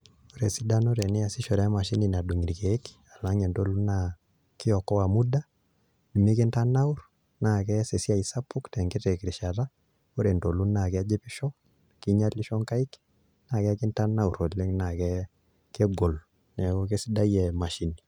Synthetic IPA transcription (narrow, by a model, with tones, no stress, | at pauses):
o˦ɾe˨si˦da˦no˦ɾe˨nɛ˦a˨si˦ʃɔ˨ɾɛ˨˦ma˨ʃi˦ni˨na˨du˨ŋi˨ɾke˨˦k | a˨la˦ŋɛ˨nto˦lu˦na | kɪ˦ɔ˨kːɔ˦wa˨mu˦da˦ | du˨me˦ke˦nta˦na˦u˦ɾ | na˨kɛ˦se˨si˦a˦i˨sa˦pːu˦ktɛ˨ŋɡe˦tɛ˨kiɾi˨ʃa˨ta˦ | o˦ɾe˨nto˨lu˦na˨kɛ˦d͡ʒe˦pi˦ʃɔ˦ | ki˦ɲa˦tli˦ʃɔ˦ŋka˦i˦k | na˨kɛ˦ki˦nta˦na˦u˨ɾo˨tle˦ŋna˨kɛ | ke˦ɡo˨l | nɛ˨ko˦ke˦si˦da˦jɛ˨ma˨ʃi˦ni˨